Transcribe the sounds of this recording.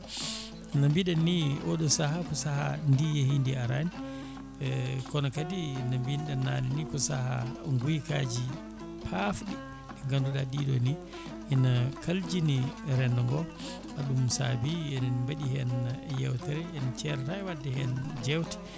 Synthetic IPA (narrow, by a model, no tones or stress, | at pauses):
nambiɗɛnːiʔɔɗɔsahakɔsaha̰ndijehindiaɾani | kɔnɔkadinambinɗɛnaninikɔsaha̰ŋɡujkad͡ʒi | pʰafɗi | ɛŋɡanduladiɗɔni | ʔːnakʰald͡ʒiniɾɛndɔŋɡɔ | ʔaɗumsa̰biɛnɛnmbaɗihɛnjɛwtɛɾɛɛnt͡ʃɛɾtaɛwadːɛhɛnd͡ʒɛwti̥